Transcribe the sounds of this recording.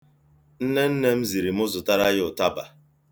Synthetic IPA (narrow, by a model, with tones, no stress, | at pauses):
n̩˦ne˦n̩˦ne˦m̩˦zi˨ɾi˨m̩˦ʊ˦zʊ˨ta˦ɾa˦jʊ˨ta˦ba̰˨